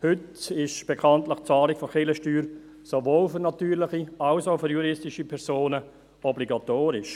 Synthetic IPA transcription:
hʏtɪʃb̥ekʰɑntlɪχt͡saːlɪkfɔχɪləʃtyːɾ | sovoːlfʏɾnatyːɾlɪχiaʊsaʊfʏɾjuɾɪstɪʃipʰɛɾsoːnə | ɔbliɡatoːɾɪʃ

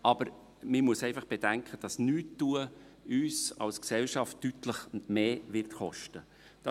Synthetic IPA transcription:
ɑb̥əɾ | mɪmuəsɛɪfɑχb̥ed̥æŋkχəd̥ɑsnyːtːuə | yːsɑ̰lsksɛlʃɑftːyt̪ləχmeːʋɪrt̪χɔʃtə | d̥ɑ

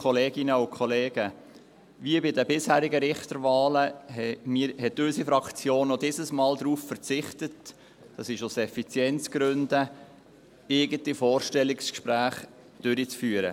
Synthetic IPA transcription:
kχɔleːɡɪnəʊkʰχɔleːɡ̥ə | viəbɪdəbɪshæːɾiɡəɾɪχt̪əɾʋɑːləɦɛmiːɾhɛtøsifɾɑkt͡sjoːnːɔdɪsəsmɑːld̪ɾuːffəɾt͡sɪχtət | d̥ɑsɪʃʊsɛfit͡sjɛnt͡sɡ̥ɾøndə | ɪɡəntifɔːɾʃtɛlːɪkskʃpɾæːχ | d̥ʏɾit͡sfyːəɾə̰

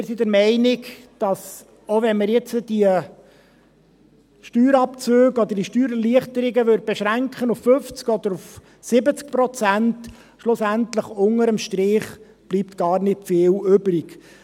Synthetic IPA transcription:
ɪɾsidəɾmɛɪnɪk | d̥ɑs | ovɛnməɾjɛt͡səd̥iə | ʃtyːɾɑpt͡søːɡɔd̪əɾd̥iʃtyːɾəliəχtəɾɪɡəʋøɾd̚bɛʃɾæŋkχənuffɵft͡skɔd̪əɾuf | sɪbət͡skpɾɔt͡sænt | ʃlʊsænt̪ləχʊŋəɾəmʃtɾɪχ | b̥liːpt̪ɡ̥ɑːrnɪtfɪːlʏbɾɪɡ

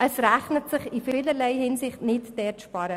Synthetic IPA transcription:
əsɾæχnətsɪχifiːləɾlɛɪhɪnsɪχtnɪtd̥ɛːtʃpɑɾə

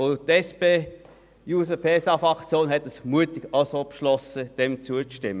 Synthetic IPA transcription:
ot̪ɛspeː | juːsəpʰeːsɑfʁɑkt͡sjoːnɦɛtəsmuətɪɡɑʊsopʃlɔsəd̥ɛmt͡suət͡sʃtɪmːə

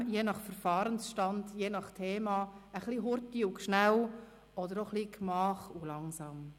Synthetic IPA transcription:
jeːnɑχfəɾfɑːɾənsʃtɑndjeːnɑχtʰeːmɑəχliɦʊɾtiʊkʃnæw | ɔd̪əɾoχliːkmɑːχulɑŋsɑːm

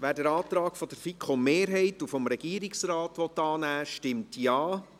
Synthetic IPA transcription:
ʋæːɾdəɾɑːt̪ɾɑːkfɔd̥əɾfikʰomeːɾɦɛɪtufɔmɾɛɡ̥iːəɾiksrɑːtʋɔt̪ːɑːnæːʃtɪmtjɑː

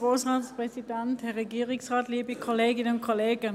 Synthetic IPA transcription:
ʁoːsʁɑːtspʁ̥ɛsidɛnthɛʁɛɡiːʁɪŋsʁɑːtliːbəkʰoleːɡɪnəʊnkʰoleːɡə

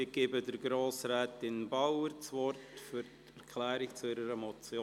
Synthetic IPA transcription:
ɪɡ̥eːbədəɾɡɾoːsɾɛːtɪnbaʊəɾt͡sʋɔrtfyɾt | ɛɾkʰlɛːɾɪkt͡suɪɾəɾəmɔt͡sjoː

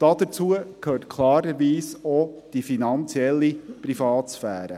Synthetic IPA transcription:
d̥ɑd̥̪ət͡suəkʰhøːɾtkʰlɑːɾəɾʋiːsɔd̥ifinɑnt͡sjɛlːipɾifɑːtsfæ̰ːɾə̰

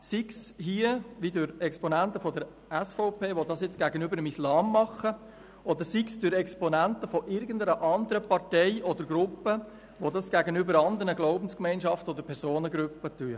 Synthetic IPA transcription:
siksɦiəʋidʉɾɛkspɔnænt̪əfɔdəɾ | æsfɔʊpeːʋodɑsjɪt͡sɡ̥æɡənʏbəɾəmislɑːmːɑχːə | ʔɔd̪əɾsiksd̥ʏɾɛkspɔnænt̪əfɔʔɪɾɡəndəɾəʔɑnd̪əɾəpɑɾtɛɪɔd̪əɾɡɾʊpːə | ʋodɑsɡ̥æɡənʏbəɾɑnd̪əɾnəɡloʊbən̩skmɛɪnʃɑftəɔdəɾpʰɛɾsoːnəɡɾʉpːətyə

